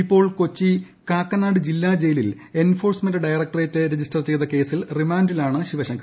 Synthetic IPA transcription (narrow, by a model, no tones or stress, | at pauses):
ipːo̞ːɭko̞t͡ɕːi | kaːkːɐnaːɽɨd͡ʑilːaːd͡ʑe̞jilil | e̞nfo̞ːrsmendɨɖɐjɐrɐk̚ʈɐreːtːɨɾe̞d͡ʑistɐrt͡ɕe̞jðɐke̞ːsilrimaːndilaːɳɨɕiʋɐɕɐŋɡɐ